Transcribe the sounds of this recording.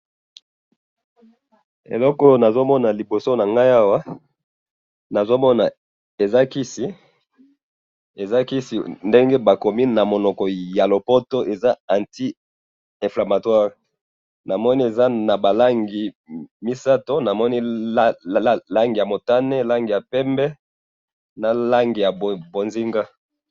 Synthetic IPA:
ḛ˨lɔ˦kɔ˦na˨zo˦mɔ˦na˨li˨bo˨so˦na˨ŋɡa˦ja˦wa˦ | na˨zo˦mɔ˦na˨ | e˨za˦ki˦si˨ | e˨za˦ki˦si˨nde˦ŋɡe˦ba˨ko˨mi˦na˨mo˨nɔ˨kɔ˨ja˨lo˨po˦to˦ʔe˨za˦ã˨nti˦ | ɛ̃˨fla˨ma˨twa˦ʁi˨ | na˨mɔ˦ni˦e˨za˦na˨ba˨la˦ŋɡi˨ | mi˦sa˦to˦na˨mɔ˦ni˦ | la˦ŋɡi˨ja˨mo˨ta˦ne˦la˦ŋɡi˨ja˨pɛ˦mbɛ˦ | na˨la˦ŋɡi˨ja˨bo˨nzi˦ŋɡa˦

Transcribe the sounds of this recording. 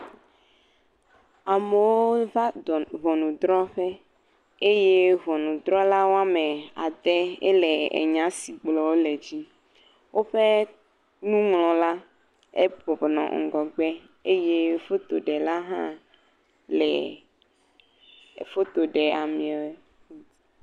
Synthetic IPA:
a˨me˨wo˦va˦ɔ˨vɔ˨nũ˨d̪ɾɔ˦ɸe˦ | e˦je˦vɔ˨nũ˨d̪ɾɔ˦la˦wo˦a˦me˨a̰˨d̪ɛ˦ɛ̰˦lɛ˨ḛ˨ɲã˦si˨ɡ͡blɔ˨wo˦lɛ˨d͡ʑi˦ | wo˦ɸe˦ | nũ˦ŋlɔ̃˨la˦ | ḛ˦bɔ˨bnɔ̰̃˨ŋ̩˨ɡɔ˨ɡ͡bɛ˦ | e˦je˦fo˦t̪o˨ɖɛ˨la˦ɦã̰˦ | lɛ̰˨ | fo˦t̪o˨ɖɛ˨a˨mĩ˨ɛ˨we˦

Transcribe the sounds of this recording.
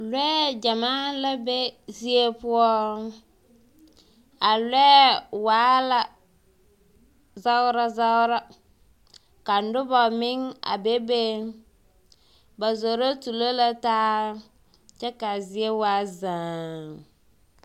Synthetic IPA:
lɛː˦d͡ʒa˨maː˦la˦be˦zi˦e˦pʊ˦ɔ˦ | a˨lɛː˦waː˨˦la˦ | za˦ʊ˦ɾa˦za˦ʊ˦ɾa˦ | ka˨n̩˦dʊ˦bɔ˨mɪ˦ŋa̰˨be˦be˦ | ba˨zo˨ɾo˦tu˨lo˦la˦taː˦ | t͡ʃɛ˦ka˨zɪ˦e˦waː˦zaː˨ŋ

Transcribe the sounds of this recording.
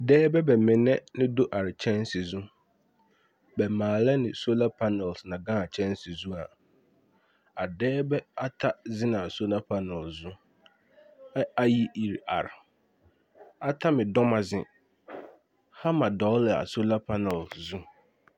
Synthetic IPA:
dɛː˦bɛ˦bɛ˨mɪ̃˨nɛ̃˦nɪ̃˦do˦ʔa˨ɾt͡ɕʰɛ̃˦n˦sɪ˨zũ˦ | bɛ˨mãː˨lɛ˦nɪ̃˨so˦la˦pʰa˦nɛ˨lsnã˨ɡã˦a˨t͡ɕʰɛ̃˦nsɪ˨zũ˦a˨ | a˨dɛː˦bɛ˦a˦tʰa˦zɪ̃˦nã˨so˦la˦pʰa˦nɛ˨lzʊ̃˦ | ɛ˦a˦ji˦ʔi˨ɾa̰˨ɾ | a˦tʰa˦mɪ̃˨dɔ˦mã˨zɪ̰̃˨ | ha˦mã˨dɔː˦lɪ˨a̰˨so˦la˦pʰa˦nɛ˨lzʊ̃˦

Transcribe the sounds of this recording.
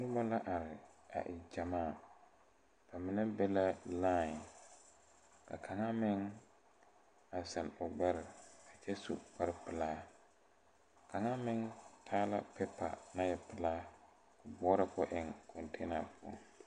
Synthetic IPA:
nʊ˦ba˦la˦ʔa˨ɾɪ˨a̰˨ʔɪ˨d͡ʒa˨maː˦˨ | pa˨mɪ˨nɛ˦bɛ˦la˦la˦˨ | ka̰˨kʰa˨ŋa˦mɪ˦ŋ | a˨sa˨nʊ˨ɡ͡bɛ˦ɾa˨t͡ʃɛ˦sṵ˨ka˦ɾɪ˦pɪ˨laː˦ | kʰa˨ŋa˦mɪ˦ŋtʰaː˦la̰˦pɛ˦pʰa̰˨na˦jɛ˨pɪ˨laː˦ | kʊ˨bɔ˦ɾa˦kɔ˦ʔɪ˨ŋkʰɔ˨ntʰe˦na˨pʊ˦ɔ̰˦˨ŋ

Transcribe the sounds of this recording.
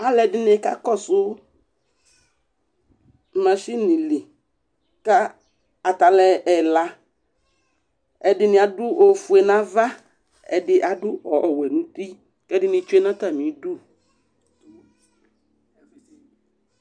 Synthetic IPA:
a˦lɛ˨dɪ˦nɪ̃˨˦ka̰˦kɔ˦sʊ˦ | mã˨ʃi˦nĩ˨li˨ | ka˦ | a˨t̪a˨lɛ˨ɛ˨la˦ | ɛ˨dɪ˦nɪ̃˨˦a˨dʊ˦ʔo˨fu˨ɛ˨nã˦va˦ | ɛ̰˨dɪ˦ʔa˨dʊ˦ɔ˨wɛ˨nũ˦t̪i˦ | kɛ˦dɪ˦nɪ̃˨t͡ʃu˦e˦nã˦t̪a˦˨mĩ˨˦du˦

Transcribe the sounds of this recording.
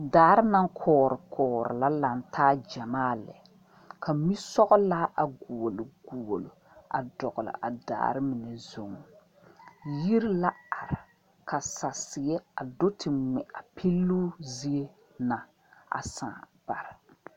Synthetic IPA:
daː˨˦ɾɪ˦na˦ŋkʰɔː˨˦ɾɨ˨kʰɔː˨˦ɾɨ̰˨la˦la˨n˦tʰaː˦d͡ʒa˨maː˦lɛ̰˨ | kʰa˨mi˦sɔ˦ɣɔ˦la˦ʔa˨ɡu˨o˨lɡ̥u˨o˨lo˨ | a̰˨dɔ˨ɣʊ˨lɪ̰˨ʔa˨da̰ː˨˦ɾɪ˦mɪ˨nɛ˨zo˨ŋɔ˨ | ji˦ɾla˦a˨ɾɪ˨ | ka˨sa˨sɪ˨jɛ˦a˨do˦tʰɪ˨ŋɛ˨a˨pʰi˦lːu˦zi˦e˦ | na˨ | a̰˨sã̰ː˨ | b̥a˨ɾɪ˨

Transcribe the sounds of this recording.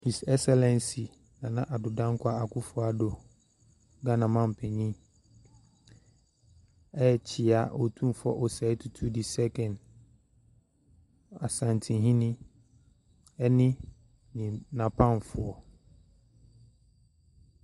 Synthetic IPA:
hi˨sɛ˦ksɛ˦lɛ̃˨nsi˨ | nã˨nã˦ʔa˨dʊ˨dã˦ŋ˦kʰʷa˦˨a˨kʰʊ˦fʊ˨˦a˨dʊ˨ | ɡa˦nã˨mã˦m̩˨pʰɛ˨ɲĩ˦ | ɛ˦˨t͡ɕʰɪ˨a˨ʔɔ˨tʰũ˦m˨fɔ˦ʔɔ˨sɛ˨˦tʰu˨tʰu˦di˨sɛ˦kʰɛ̃˨n | a˨sã˨ntʰĩ˨ɦĩ˦nɪ̃˦ | ɛ˦nɪ̃˦ | nĩ˨nã˨pʰã˦˨n˨fʊ˦ɔ˨

